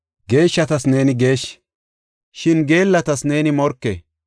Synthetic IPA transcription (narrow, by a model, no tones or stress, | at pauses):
ɡe̞ːʃːɐt̪ɐsne̞ːnɪɡe̞ːʃ | ʃɪnɡe̞ːlːɐt̪ɐsne̞ːnɪmɔɾkːḛ